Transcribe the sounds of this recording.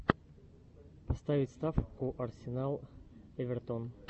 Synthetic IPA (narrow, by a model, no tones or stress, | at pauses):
pɐst̪avʲɪtʲst̪afkʊʔɐrsʲɪnalˠɛvʲɛrt̪on